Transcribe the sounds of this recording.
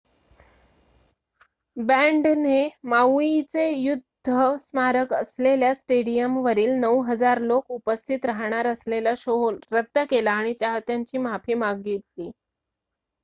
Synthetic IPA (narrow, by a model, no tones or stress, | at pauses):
bɛ̃ɳɖnemawit͡sejud̪ʱːəsmaɾəkəsleljasʈeɽijəmʋəɾiːlnəwɦəd͡zaɾlokupəst̪ʰit̪ɾaɦɳ̃aɾəslelaɕoɦlɾət̪ːəkelaːɽ̃it͡ɕaɦt̪jaɲt͡ɕiːmapʰiːmaɡet̪liː